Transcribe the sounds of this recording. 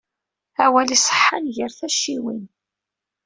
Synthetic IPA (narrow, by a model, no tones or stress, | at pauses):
æwælisˤə̥ħːanʝəɾθæʃiwḭn